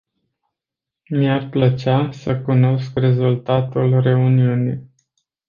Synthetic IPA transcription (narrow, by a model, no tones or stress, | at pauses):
miarplət͡ʃasəkuno̞skre̞zult̪at̪ulre̞uniunij